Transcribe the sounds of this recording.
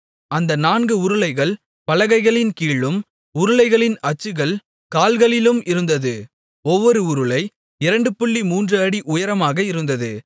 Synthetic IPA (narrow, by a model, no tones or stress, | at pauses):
ɐnd̪ɐnaːnɡɯʊɾɯlɐɪɣɐɭ | pɐlɐɣɐɪɣɐɭɪnkiːɭɯm | ʊɾɯlɐɪɣɐɭɪnɐt͡ʃːɯɣɐɭ | kaːlɣɐɭɪlɯmɪɾɯnd̪ɐðɯ | ɔʋːɔɾɯʊɾɯlɐɪ | ɪɾɐɳɖɯpːʊɭːimuːndrɯɐɽiʔʊjɐɾɐmaːɣɐɪɾɯnd̪ɐðɯ